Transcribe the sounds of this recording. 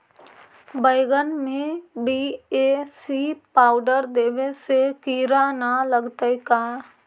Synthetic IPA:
bəɪɡənmẽbiːeːsipaːʊɖəɾd̪eːʋesekiːɾanaləɡt̪əikaː

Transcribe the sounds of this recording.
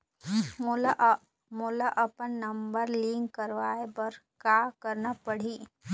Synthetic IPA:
ml | mʊlaʔɐpənːɐmbəɾliːŋkːəɾʋaːebɐɾ | kaːkəɾnapəɽ̤iː

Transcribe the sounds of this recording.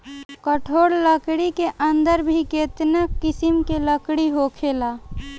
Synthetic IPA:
kəʈʰoːɽləkɽikeʔənd̪əɾbʱiket̪nəkːɪsimkeləkɽiɦokʰelaː

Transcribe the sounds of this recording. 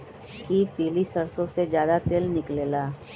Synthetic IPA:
kipiːlisɐɾsõsezjaːd̪at̪eːlnɪkleːlaː

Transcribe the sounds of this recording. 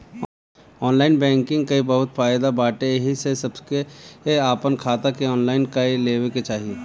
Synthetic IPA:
ɔːnlaːɪnbɛ̃ːŋkɪ̃ŋɡkaibɐɦʊt̪faːjd̪abaːʈeɦisesɐbkeeaːpənkʰaːt̪akeɔːnlaːɪnkaileːweket͡ʃaːɦie

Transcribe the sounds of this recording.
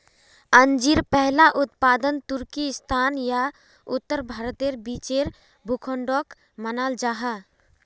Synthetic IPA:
ənd͡ʒiɾpɛɦlaʔʊt̪paːd̪ənt̪ʊɾkist̪ʰaːnja | ʊt̪ːəɾbʱaːɾt̪eɾbiːt͡ʃeɾ | bʱʊkʰõɳɖoːk | mənaːld͡ʒaɦa

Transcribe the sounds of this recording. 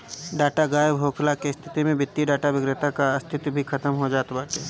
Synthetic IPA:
ɖaːʈaɡaːjbʱoːkʰlakest̪ʰɪ̥t̪imẽbɪt̪ːiɖaːʈaʋɪɡɾət̪akaɐst̪ʰɪt̪bʱikʰɐt̪əmɦod͡ʒaːt̪baːʈeː

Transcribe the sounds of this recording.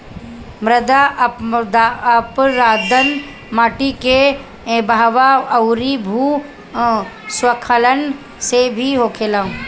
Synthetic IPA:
mɾəd̪ad̪aəpɾaːd̪ən | maːʈike | bʱaːʋaɐwɾibʱu | swəkʰələn | sebʱiɦoːkʰelã

